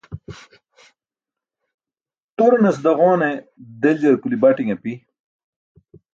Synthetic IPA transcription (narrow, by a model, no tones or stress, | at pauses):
t̪oɾnɐs̬d̪ɐʁoːned̪eld͡ʑɐɾkulibaʈiŋepi